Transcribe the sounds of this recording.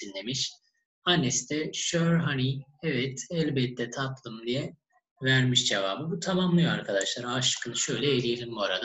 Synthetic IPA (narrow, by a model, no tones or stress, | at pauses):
d̪inːemiʃ | anːɛst̪ʰɛʃøɾɦaniɛvɛt̪ɛlʲbɛt̪ʰːɛt̪ʰat̪lˠɯmd̪ijɛ | væɾmiʃd͡ʒeva̰ːbɯbut̪ʰamamlˠɯjoaɾkʰad̪aʃlˠaɾaʃɯ̥kʰɯnɯʃø̞jlʲɛːlʲijelʲimbuaɾad̪a